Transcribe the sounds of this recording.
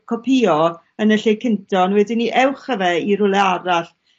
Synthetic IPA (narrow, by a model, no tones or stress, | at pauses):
kʰɔpʰiːɔ | ənəɬejkʰɪntʰɔnwɛdɪniʔɛwχəvɛiɾʊlˠɛaɾaɬ